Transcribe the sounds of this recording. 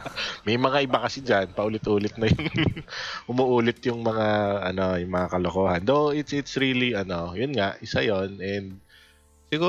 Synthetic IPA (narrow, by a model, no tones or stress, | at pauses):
mɐjmɐŋaʔɪbakɐsɪd͡ʒanpɐʔʊlɪt̪ʔuːlɪt̪̚nɐjʊŋ | ʔʊmʊʔuːlɪt̪jʊŋmɐŋaʔɐno̞jʊŋmɐŋakɐlokoːhɐnd̪oʔɪt̪sʔɪt̪sɾiliʔɐno̞jʊnŋaʔɪsajo̞nʔɛnd̪̚ | sɪɡuː